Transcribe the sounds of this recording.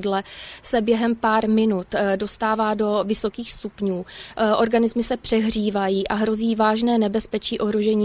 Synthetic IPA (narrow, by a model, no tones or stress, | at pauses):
dlɛsɛbjɛɦɛmpaːɾmɪnut̪do̞st̪aːvaːdo̞vɪso̞kiːxst̪upɲuːʔo̞ɾɡanɪzmɪsɛpr̥ɛɦr̝iːvajiːʔaɦɾo̞ziːvaːʒnɛːnɛbɛspɛt͡ʃiːʔo̞ɦɾoʒɛɲiː